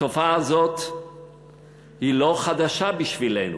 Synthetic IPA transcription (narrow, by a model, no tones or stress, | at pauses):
ofaːzo̞t̪ | hilo̞χad̪aʃabiʃvilḛnṵ